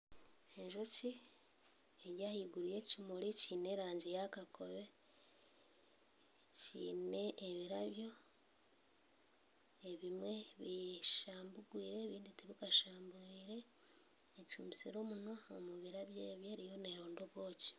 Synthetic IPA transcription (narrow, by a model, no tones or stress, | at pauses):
eɲʒoci | eɾjahiɡuɾijecumuliciːne̞ɾaːɲɟijakakʰo̰βe̞ | cḭːneːβiɾaβjo̞ | eβimwe̞βiʃaːmbuɡwiːɾe̞βiːnditiβikaʃaːmbuɾiːɾe̞ː | cuːmbisiɾo̞ːmunaomuβiɾaβjeβjeːɾijo̞ne̞ɾoːndoβwo̞ːci̥